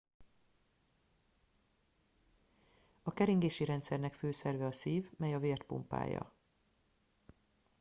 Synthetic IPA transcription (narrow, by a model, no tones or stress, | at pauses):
ɒkɛɾiŋɡeːʃiɾɛnt̪sɛrnɛkføːsɛrvɛɒsiːvmɛjɒveːrt̪pṵmpa̰ːjɒ̰